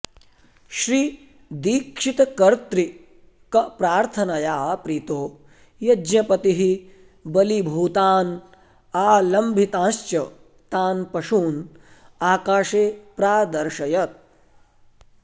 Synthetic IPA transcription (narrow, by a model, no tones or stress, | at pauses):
ʃɾiː | d̪iːkʂit̪ɐkɐɾt̪ɾi | kɐpɾaːɾt̪ʰɐnɐjaːpɾiːt̪oː | jɐd͡ʒɲɐpɐt̪iɦi | bɐlibʱuːt̪aːn | aːlɐmbʱit̪ãːʃt͡ʃɐ | t̪aːnpɐʃuːn | aːkaːʃeːpɾaːd̪ɐɾʃɐjɐt̪̚